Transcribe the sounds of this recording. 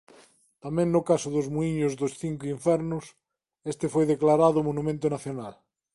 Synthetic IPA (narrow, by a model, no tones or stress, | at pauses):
t̪amẽŋnʊkasʊðʊzmuiɲozðosθiŋkoiɱfɛɾnʊs | est̪efojðeklaɾaðʊmonumẽnt̪onaθjonal